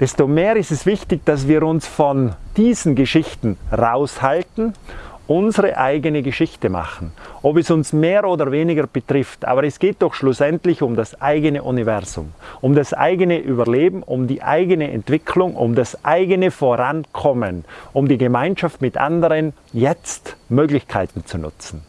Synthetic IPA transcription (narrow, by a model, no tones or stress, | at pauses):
d̥ɛstomeːɾɪstɛsv̥ɪçtɪçd̥as̬v̥iːɾʊnsfɔnd̥iːzn̩ɡəʃɪçtn̩ʁaʊshaltn̩ʔʊnzəʁəʔaɪɡənəɡəʃɪçtəma̰χn̩ʔɔpɛsʊnsmeːɾoːdɐveːnɪɡɐb̥ətʁ̥ɪftʔa̰ːbɐɾɛsɡ̥eːt̚d̥ɔχʃlʊsɛntlɪçʊmdasʔaɪɡənəʔunivɛʁzʊ̰mʊmdasʔa̰ɪɡənəʔyːbɐleːbm̩ʊmdiːʔa̰ɪɡənəʔɛ̰ntv̥ɪkʰlʊŋʔʊ̰mdasʔaɪɡənəfoːʁankʰɔmənʊmdiːɡəmaɪnʃaftmɪtʔa̰ndəʁən | jɛt͡stmøːɡlɪçkʰaɪtn̩t͡sunʊ̰t͡sn̩